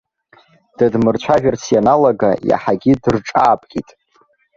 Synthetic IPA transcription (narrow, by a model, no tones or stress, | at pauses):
d̥admɨrt͡ɕʷʰaʒᶣart͡sʰianalaɡaja̰ħaɡʲidɨrʈ͡ʂʼaːpʼkʲʼitʼ